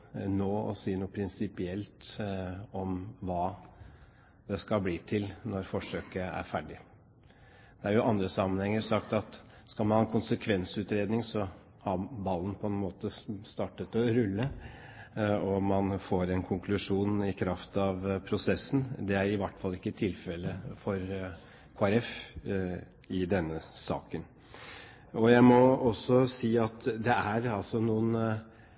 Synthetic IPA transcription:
noːɔ̰siːənuːpʰɾɪnsɪpɪɛlt̪ | ɔmʋɑː | d̪̥ɛskɑbliːt̪ʰɪlnɔɾfɔʂøːkəæ̰ɾfæːɖɪ | d̪̥ɛæɾjʊʔɑnd̪ɾəsɑmːənhɛŋːəɾʂɑkt̪ɑt̪ | skɑlmɑnhɑːɛnkʰʊnsəkʰʋɛnsʉːt̪ɾeːd̪nɪŋsɔ | hɑbɑlːən̩pʰɔɛnmoːt̪əst̪ɑːʈət̪ɔɾʉlːə | ɔmɑnfoːɾɛnkʰʊŋkʰlʉʂuːnɪkʰɾɑft̪ɑʋpʰɾʊsɛsːn̩d̪ɛæɾɪʋæʈːfɑlːɪkːət̪ʰɪlfɛlːəfɔɾ | kʰoːæɾɛf | ɪd̪ɛnːəsɑ̰ːkən | ɔjæɪmɔɔsːɔsiːɑt̪d̪ɛæɾɑlsɔnuːən

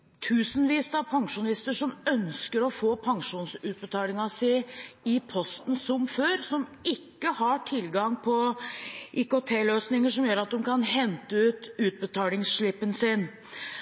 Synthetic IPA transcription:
t̪ʰʉːsənʋiːsɑpʰɑŋʂʊnɪst̪əʂɔmœnskəɾɔfoːpʰɑŋʂuːnsʉːt̪̚bət̪ʰɑːlɪŋɑsɪɪpʰɔst̪n̩sɔmføːɾsɔmɪkːəhɑʈʰɪlɡɑŋpʰɔ | ʔiːkoːt̪ʰeːløːsnɪŋəʂɔmjøːɾɑt̪̚d̪ɛmkʰɑnɦɛnt̪əʉːt̪ʉːt̪̚bət̪ʰɑːlɪŋsʂɭɪpːənsɪn

